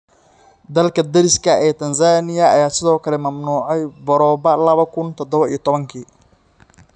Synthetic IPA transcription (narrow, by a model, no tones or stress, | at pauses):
d̪ɐlkʰɐd̪ɐɾɪskʰɐɛːt̪ʰɐnsaːnɪjɐɐjaːsɪðɔːkʰɐlɛmɐmnuːʕɑjbɔɾɔːbɐlɐβɐkʰʊnt̪ʰɔd̪ɔβɐḭjɞt̪ʰɔβɐŋkʰiː